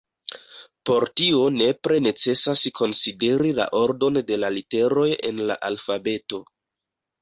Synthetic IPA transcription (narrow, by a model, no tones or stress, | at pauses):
po̞ɾtio̞ne̞pɾe̞ne̞t͡se̞saskʰo̞nside̞ɾila̰ʔo̞ɾdo̞nde̞lalite̞ɾo̞je̞̰nla̰ʔalfabe̞to̞